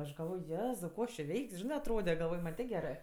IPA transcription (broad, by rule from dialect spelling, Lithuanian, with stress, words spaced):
ɐʃ ɡɐlˠˈʋoːj ˈjæːzɐʊ ˈkoː ɐʃ t͡ʃʲɪ ˈʋʲɛɪkʲsʲ ˈʒʲɪnɜ ɐtˈroːdʲɛ ɡɐlˠˈʋoːj mɐnʲ ˈtʲeː ˈɡʲæːrɜ